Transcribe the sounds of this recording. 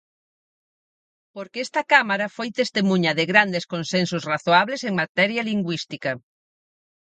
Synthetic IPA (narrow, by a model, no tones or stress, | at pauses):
poɾkɛst̪ɐkamaɾɐfojt̪est̪emuɲɐðɪɣɾand̪eskonsensosraθoaβleseŋmat̪ɛɾjɐliŋɡwist̪ikɐ